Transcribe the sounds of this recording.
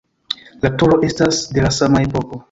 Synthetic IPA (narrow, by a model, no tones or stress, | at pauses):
latuɾo̞ʔe̞stasde̞lasamae̞po̞ko̞